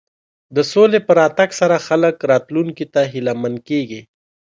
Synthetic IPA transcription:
d̪əsolepəɾɑt̪aɡsaɾaxaləkɾɑt̪luŋkit̪aɦilamankeɡi

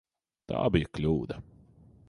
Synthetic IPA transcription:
t̪a̰ːbijklʲuːd̪a

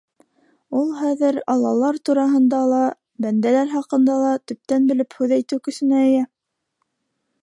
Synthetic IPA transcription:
ulˠhæðɘɾɑlˠːɑlˠɑɾt̪uɾɑɦɤ̆nd̪ɑlˠɑ | bænd̪ælæɾhɑqɤ̆nd̪ɑlˠɑt̪ɵ̆p̚t̪ænbɘ̆lɘphʉðæjt̪ɘwkɵ̆sɘ̆næɘ̆jæ

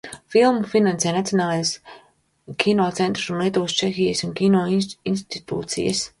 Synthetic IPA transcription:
filˠmufinansejnat̪ionaːlˠejs | kʲʰinoːt̪sent̪ɾusunlˠiɛt̪uːst͡ʃexijəsunkʲinoːinst̪it̪ṵːt̪sḭjə̰s

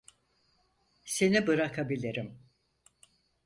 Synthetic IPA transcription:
se̞nibɯɾakʰabilʲiɾim

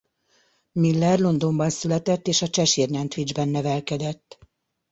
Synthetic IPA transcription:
milːɛrlo̞nd̪o̞mbɒnsylɛt̪ɛt̪ːeːʃɒt͡ʃɛʃirɲɛnt̪ʋid͡ʒbɛnːɛvɛlkɛd̪ɛt̪ː

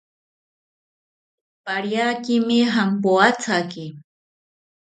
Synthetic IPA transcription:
paɾjakɪmɪɦampoat͡sʰakɪ

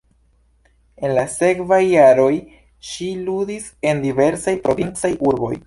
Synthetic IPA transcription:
e̞nlase̞kvajːaɾo̞j | ʃiludise̞ndive̞ɾsajpɾʔo̞vint͡sajʔuɾbo̞̰j

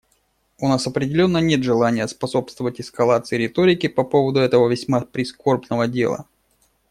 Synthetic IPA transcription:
ʊnasɐpɾʲɪdʲɪlʲo̞nːənʲe̞t̪ʐɨlˠanʲɪjəspɐso̞pst̪vəvətʲɪskɐlˠat̪sɨɪɾʲɪt̪oɾʲɪkʲɪpɐpo̞vəd̪ʊɛt̪əvəvʲɪsʲmapɾʲɪsko̞rbnəvədʲe̞̰lˠə̰

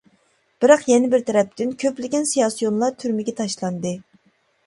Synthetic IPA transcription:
b̥ɪɾɑqjɛnɪbɪɾt̪ʰɛɾɛp̚t̪ynkʲʰøplɪɡʲɛnsijɑsijonlˠɑɾt̪ʰyɾmɪɡʲɛt̪ʰɑʃlˠɑnd̪ɨ

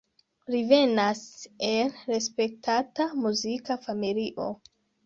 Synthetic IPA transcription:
ɾive̞nase̞lɾe̞spe̞k̚tʰatamuzikafamiliʔo̞̰

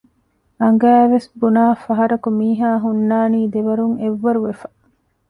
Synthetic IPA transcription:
ɐŋɡæːʋesbunaːfɐɦɐɾɐkumiːɦaːɦunːaːniːd̪eʋɐɾuŋeʋːɐɾuʋefɐ

